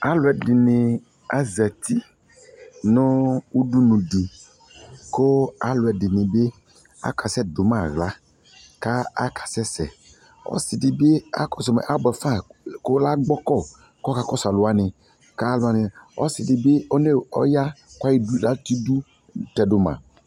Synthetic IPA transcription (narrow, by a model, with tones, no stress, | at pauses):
a˦lʊ˨ɛ˨dɪ˨nɪ̃˨ | a˦zɛ˨t̪i˦ | nɔ̃˦wu˦du˦nũ˨di˨ | ko˦a˦lʊ˨ɛ˨dɪ˨nɪ̃˨be˦ | a̰˦kʰa˨sɛ˦dʊ˨mã˦˨ɣla˦ | ka˦a̰˦kʰḁ˨sɛ˦sɛ˨ | ɔ̰˦sɪ˨dɪ˨be˦a̰˦kɔ˦sɔ˨mɛ̰˨ʔa˦bɛ˨fã˦˨ko˦la˦ɡ͡bɔ˦kɔ˦˨ | kɔ˦ka˨kɔ˦sa˨lʊ˨a˦nɪ̃˨ | ka˦la˨nɪ˨ɔ̰˦sɪ˨dɪ˨be˦ɔ˦ne˦ɔ̰˦ja˦kʷa˦ji˦du˦la˦t̪i˦du˦ | tɛ˨dʊ˨mã̰˨